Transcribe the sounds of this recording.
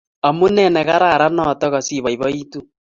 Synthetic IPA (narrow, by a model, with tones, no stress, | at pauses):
a˨mu˦nɛ˦˨nɛ˨ɣa˦ɾa˨ɾa˦nɔ˦˨tɔ˦ɣa˨si˦βa˨i˨βa˦i˦tu˦